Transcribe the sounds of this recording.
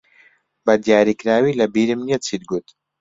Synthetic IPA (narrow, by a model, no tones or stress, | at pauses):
bɐd̪ijaːɾikɾaːwiːlɐbiːɾɨmniet͡sʰid̪ɡut̪